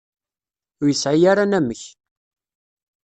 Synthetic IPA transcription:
ʊjəsʕijaɾanæməç

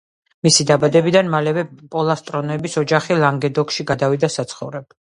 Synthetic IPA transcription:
misid̪abad̪ɛbid̪anmalɛvɛpʼɔlˠast̪ʼɾɔnɛbisɔd͡ʒaχilˠaŋɡɛd̪ɔkʃiɡad̪avid̪asat̪sʰχɔvɾɛb

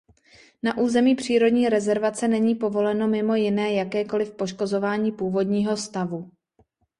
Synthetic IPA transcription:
naʔuːzɛmiːpr̝̥iːɾo̞dɲiːɾɛzɛɾvat͡sɛnɛɲiːpo̞vo̞lɛno̞mɪmo̞jɪnɛːjakɛːko̞lɪfpo̞ʃko̞zo̞vaːɲiːpuːvo̞dɲiːɦo̞st̪avu

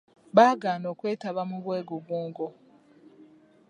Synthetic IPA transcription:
βaːɡaːnoːkweːtaβamuβweːɡuβuːŋɡo

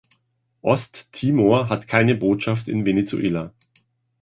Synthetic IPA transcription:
ʔɔstʰːiːmoɐɦatkʰaɪnəboːtʃaftɪ̰nvenet͡sṵʔeːla

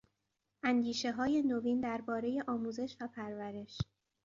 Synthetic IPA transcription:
ʔænd̪iːʃe̞ɦɒːje̞noviːnd̪æɾbɒːɾe̞je̞ʔɒːmuːze̞ʃvæpʰæɾvæɾe̞ʃ

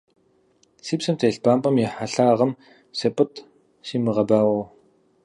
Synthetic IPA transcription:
sipsɘ̆mt̪ʰeɮpampə̆mjiħaɮaʁə̆m | sepə̆t̪ | ʃimaʁaːpæːʊː

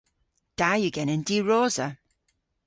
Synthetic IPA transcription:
d̥ajəɡɛnəndiɹoːzə

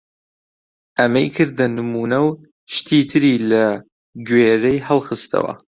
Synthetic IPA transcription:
ʔɐmɐjkʰɨɾd̪ɐnɨmuːnɐw | ʃt̪ʰiːt̪ʰɨɾiːlɐ | ɡweːɾejhɐlˠχɨst̪ʰɐ̰wɐ̰

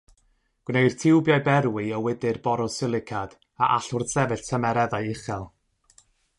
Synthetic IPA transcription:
ɡ̥wnejr̥tʰɪwbjajbɛɾwiɔwɪdɨrbɔɾɔsɪlˠɪkʰad̥ | aʔaɬʊrsɛvɨɬtʰəmɛɾɛðajɪχɛlˠ

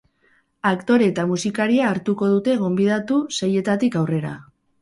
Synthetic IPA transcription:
akt̪o̞ɾe̞t̪amusikaɾiaːɾt̪uko̞ðut̪e̞ɣ̞o̞mbið̞at̪useje̞t̪at̪ikawre̞ɾa̰

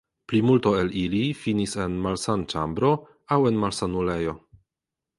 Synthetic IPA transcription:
plimulto̞e̞lilifinise̞nmalsant͡ʃambɾo̞ | awe̞nmalsanule̞jo̞

